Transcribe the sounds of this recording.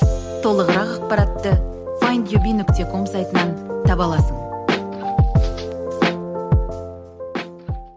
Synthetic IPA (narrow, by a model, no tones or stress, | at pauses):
t̪ʰo̞lˠəʁəɾɑqɑq̚pɑɾɑt̪ːə | vajnd̪ʲjobʲinʏkt̪ʲekʰo̞msajt̪ənɑnt̪ʰɑpɑlˠɑsəɴ